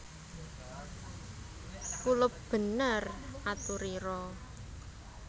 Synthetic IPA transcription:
kulʊp̚b̥ə̤nərat̪uɾiɾɔ

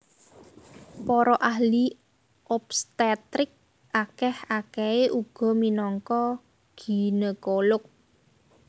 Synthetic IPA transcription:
pɔɾɔʔaɦli | ʔɔpst̪ɛt̪ɾɪk̚ | ʔakɛhakɛeʔuɡ̥ɔ̤minɔŋkɔ | ɡ̥i̤nəkolʊk̚

